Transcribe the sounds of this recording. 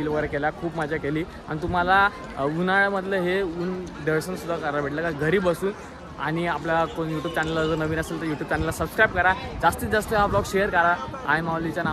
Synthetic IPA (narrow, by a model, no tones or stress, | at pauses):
iːlʋəɡəɾekelakʰuːbmad͡ʑʱjakeliː | a̰ɽ̃it̪um̤ala | unaɭməd̪ʱləɦeun | ɖəɾsənsud̪ʱːakəɾabʱeʈləkaɡʱəɾiːbəsuːn | a̰ɽ̃iapljakonjuʈjuːb̚t͡ɕanelːad͡zənəʋiːnəselt̪əɾjuʈjuːb̚t͡ɕanelːasəbskɾajp̚kəɾad͡zast̪iːt͡sd͡zast̪oɦablɔɡɕejəɾkəɾaajmaʋlit͡ɕjana